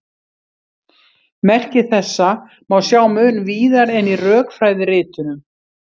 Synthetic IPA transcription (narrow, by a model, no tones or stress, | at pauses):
mɛr̥cɪθɛsːa | mawsjaːwmʏːnviːðaɾɛnirœːkfɾajðɪrɪːt̪ʏnʏm